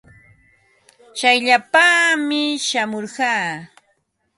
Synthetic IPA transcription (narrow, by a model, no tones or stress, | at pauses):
t͡ʃajʎapamɪʃamoɾɢɑː